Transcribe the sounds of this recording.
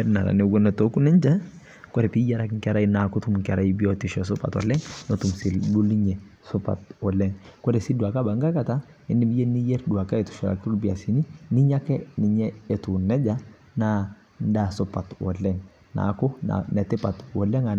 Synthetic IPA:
ɛ˦ɾna˨ɾa̰˨nɛ˨ɡo˦nɔ˨to˦ku˦nɛ˦ɲd͡ʒɛ˦ | kɔ˦ɾɛ˨pi˦ja˦ɾa˦kŋkɛ˦ɾa˦ina˨kɔ˦tu˦mŋkɛ˨ɾa˦ibi˦ɔ˦ti˨ʃɔ˨s̬ʊ˦pa̰˨tɔ̰˨lɛ˦ŋnɔ˨tu˨msi˨lbu˦li˦ɲɛ˨ | sʊ˦pa̰˨tɔ˨lɛ˦ŋkɔ˦ɾɛ˨si˦du˨a˨ka˦ba˨ŋɡa˦ka˨ta˦ɪ˦nːi˦bi˦jɛ˦ni˦jɛ˦ɾdu˨wa˨ka˦ɛ˨tu̥˨ʃɛ˨ɾa̰˨kɾu˦lbi˨a˨si˨ni˦ni˦ɲa˦kɛ˦ni˨ɲɛ˦ɛ˨tu˨nɛ˦d͡ʒa˦ | na˦ | n˦da˨sʊ˦pa˨twɔ̰˨lɛ˦ŋ | na̰kɔ˦a̰na˨tɪ˦pa˨twɔ˨lɛ˦ŋa˨

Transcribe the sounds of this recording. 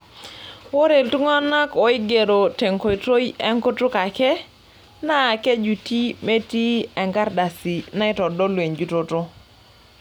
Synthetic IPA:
wo˦ɾe˨ltu˦ŋɔ˦na˦kɔ˨ɪ˦ɡe˨ɾo˨te˨ŋko˨to˦jiɛ˦ŋko˦tʊ˦ka˨kɛ˦ | na˦˨ke˦d͡ʒu˨ti˦me˦ti˦ɛ˨ŋɡa˦ɾda˨si˨na˦ɪ˦tɔ˨dɔ˦lwe˨ɲd͡ʒu˨to˨tʊ˦

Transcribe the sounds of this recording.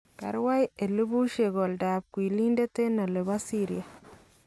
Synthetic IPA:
ka̰˨ɾwa˦je˨lu˦bu˦ʃe˨ɡo˨lda˨b̚kwi˨li˦nde˦t̪e˦na˨le˨ba˦si˦ɾḭ˨ja˨

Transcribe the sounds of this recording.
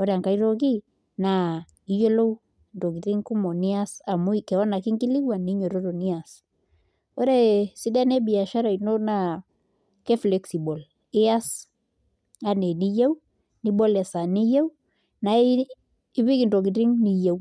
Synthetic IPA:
ɔ˦ɾe˨a˨ŋka˦iɾo˦k̬i˦ | na˨ | i˦jo˦lo˦w | nto˨ki˨ɾi˦ŋku˦mo˨ni˦a˦sa˨mu˦ikɛ˨ɔ˦na˨ki˦ŋki˦li˦wa˨ni˦ɲo˨ɾo˦ɾo˨ni˦a˨s | o˦ɾe˦si˦dɛ˦ne˦bi˨a˨ʃa˦ɾa˨i˨no˦na | kɛ˦flɛ˨ksi˨bo˨l | ɪ˦a˦s | a˦ne˨ni˦je˦w | ni˦bɔ˦lɛ˨sa˨ni˦jɛ˦w | na˨ | i˦βi˦ki˨ndo˨k̬i˨ti˦ŋni˨je˦w

